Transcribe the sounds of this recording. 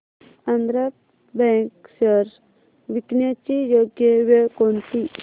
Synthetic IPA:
and̪ɾa | bɛ̃ŋksəɾ | ʋiknjat͡ɕijoɡjəʋeɭkont̪i

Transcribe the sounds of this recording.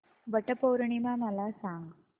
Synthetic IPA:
ʋəʈəpowɾɳimãməlasãŋɡ

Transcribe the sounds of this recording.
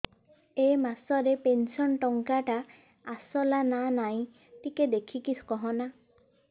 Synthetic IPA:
emasɔɾepensɔnʈɔŋkaʈa | asɔlananaĩ | t̪iked̪ekʰikiskɔɦɔna

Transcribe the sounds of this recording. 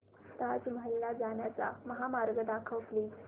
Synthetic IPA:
t̪at͡sməɦəlːad͡zaɳjat͡sa̰məɦamaɾɡəd̪akʰəʋkli

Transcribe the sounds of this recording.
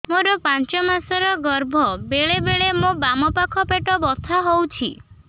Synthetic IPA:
moɾɔpant͡ʃɔmasɔɾɔɡɔɾbʱɔbeɭebeɭemobamɔpakʰɔpeʈɔbɔt̪ʰaɦowt͡ʃʰi

